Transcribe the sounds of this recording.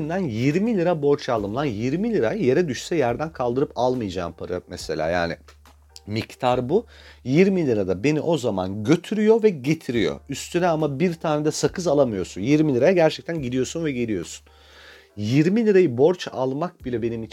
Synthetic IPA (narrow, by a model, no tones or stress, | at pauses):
ind̪ænjiɾmilʲiɾabo̞ɾt͡ʃʰalˠɯmlˠanjiɾmilʲiɾajje̞ɾɛd̪yʃsɛjæɾd̪ænkʰalˠd̪ɯɾɯpalˠmɯjd͡ʒa̰ːmpʰaɾa̰mese̞lʲa̰ːja̰ːnɪ | mict̪ʰaɾbujiɾmilʲiɾad̪abe̞niʔo̞zama̰nɟø̞t̪ʰyɾyjo̞vɛɟe̞t̪ʰiɾijo̞̰yst̪ʰynɛamabiɾt̪ʰaːned̪ɛsakʰɯzalˠamɯjo̞ɾsunjiɾmilʲiɾajaɟæɾt͡ʃʰɛc̚t̪ʰænɟid̪ijo̞ɾsunvɛɟelʲijo̞̰su̥n | jiɾmilʲiɾajɯbo̞ɾt͡ʃalˠmak̚bilʲɛbe̞nimi